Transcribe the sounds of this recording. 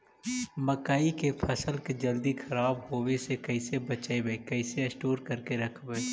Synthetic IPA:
mɐkaːikepʰɐsəlked͡ʒɐld̪ixʰɐɾaːbɦoːwesekɐɪsebɐt͡ʃaebeːkɛɪseɐsʈoːɾkɐɾkeɾɐkʰbe

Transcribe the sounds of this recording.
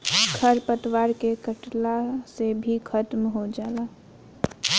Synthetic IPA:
ɡʱʰəɾpət̪waːɾkekəʈlasebʱikʰət̪mɦod͡ʒaːlaː

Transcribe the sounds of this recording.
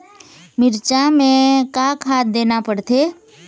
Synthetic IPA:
mɪɾt͡ʃamẽkakʰaːt̪̚d̪eːnapəɽt̪ʰeː

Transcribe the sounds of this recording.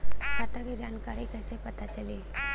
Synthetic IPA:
ɦat̪aked͡ʒaːnkaːɾikɛːsepɐt̪at͡ʃɐliː

